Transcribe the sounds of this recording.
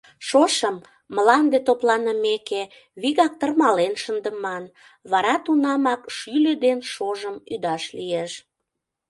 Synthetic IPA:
ʃoʃəmː | əlɑnd̪et̪oplɑnəmeke | βiɣɑk̚t̪ərmɑlenʃənd̪əmɑn | βɑɾɑt̪unɑmɑkʃylød̪enʃoʒəmyd̪ɑʃlieʃ

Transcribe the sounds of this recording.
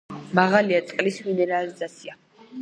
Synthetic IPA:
maʁaliat̪sʼqʼlisminɛɾalizat̪sʰia

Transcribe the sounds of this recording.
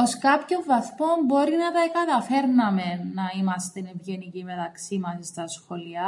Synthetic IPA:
o̞skɐpço̞ɱvɐθmo̞mbo̞ɾinɐt̪ɐkɐt̪ɐfe̞ɾnɐme̞nɐimɐst̪enevʝenicime̞t̪ɐksimɐsist̪ɐsxo̞liɐ

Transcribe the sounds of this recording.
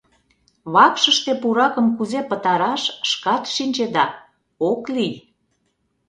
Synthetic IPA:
βɑkʃəʃt̪epuɾɑkə̆mkuzepə̆t̪ɑɾɑʃʃkɑt̪ʃinʲt͡ɕed̪ɑ | oklij

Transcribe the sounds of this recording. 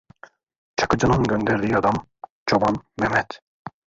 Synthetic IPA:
t͡ʃʰḁkɯd͡ʒɯnɯnɟønd̪ɛɾd̪ijɑd̪ɑm | t͡ʃʰobɑnmɛmɛt̪

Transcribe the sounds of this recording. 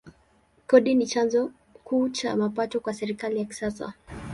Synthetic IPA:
kɔɗinit͡ʃanzɔ | kuːt͡ʃa̰mapatɔkwasɛɾikalijaki̥sasa̰

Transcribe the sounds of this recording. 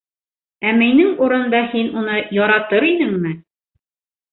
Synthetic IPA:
æminɘŋuɾɤ̆nd̪ɑhinunɤjɒɾɑt̪ɤɾinɘŋmɘ

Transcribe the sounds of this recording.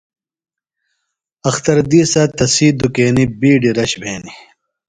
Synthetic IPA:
ɐxt̪ɐɾd̪iːsɐːt̪ɐsiːd̪ukeːnibiːɖiɾɐɕbeːni

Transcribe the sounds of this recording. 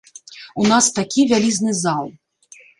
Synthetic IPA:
unast̪akʲivʲalʲiznɨzalˠ

